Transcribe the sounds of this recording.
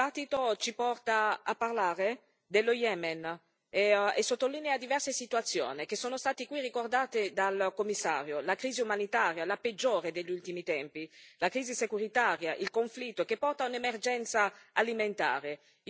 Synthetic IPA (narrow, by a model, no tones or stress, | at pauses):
at̪ːit̪ot͡ʃipɔrt̪aapːarlaːɾe | d̪elːojɛmɛn | esːot̪ːolːinead̪ivɛrsesit̪uat̪sːjo̰ːnik̟esoːnost̪aːt̪ikwirikord̪aːt̪ed̪alkomːisːa̰ːɾjolakɾiːziumanit̪aːɾjalaped͡ʒːoːɾed̪eʎːult̪imit̪ɛmpilakɾiːzisekuɾit̪aːɾjaʔilkoɱflit̪ːokepːɔrt̪aunemerd͡ʒɛnt̪saaliment̪a̰ːɾe